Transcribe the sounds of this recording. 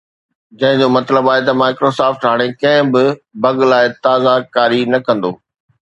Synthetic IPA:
d͡ʑɐ̃ɦɪ̃ɲd͡ʑoːmɐt̪ləbaːɦet̪ɐmaːɪkɾosaːfʈɦaːɽ̃ekɐ̃ɦɪ̃bɪbɐɡlaːɪt̪aːzakaːɾinɐkɐ̃nd̪o̰ː

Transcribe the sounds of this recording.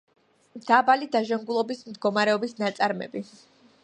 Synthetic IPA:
d̪̥abalid̪aʒaŋɡulˠɔbismd̪ɡɔmaɾɛɔbisnat̪sʼaɾmɛ̰bi

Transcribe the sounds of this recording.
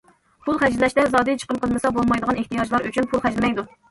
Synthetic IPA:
pʰulˠχæd͡ʒlɪlɛʃt̪ɛzɑːd̪ɨt͡ʃʰə̥qəmqʰəlˠmɨsɑbolˠmɑjd̪əʁɑneht̪ijɑd͡ʒlˠɑɾyt͡ʃʰynpʰulˠχæd͡ʒlmɛjd̪u

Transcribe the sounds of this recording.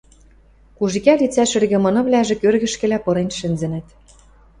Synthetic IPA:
kuʒikælit͡sæʃɘ̆rɣɘ̆mɤ̆nɤ̆βlæʒĕkørɣɘ̆ʃkɘ̆læpɤ̆ɾenʃɘ̆nzɘ̆nɘ̆t̪

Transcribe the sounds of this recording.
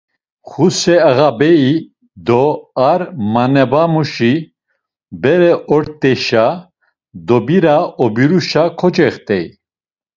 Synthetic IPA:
χusɛəɣabɛi | d̪ɔaɾmanɛbamuʃi | bɛɾɛʔɔɾt̪ʼɛʃa | d̪ɔbiɾaɔbiɾuʃakʰɔt͡ʃɛχt̪ʼɛj

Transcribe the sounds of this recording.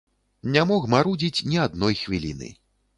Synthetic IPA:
nʲamɔxmaɾud͡zʲit͡sʲnʲiad̪nɔjxvʲilʲḭnɨ̰

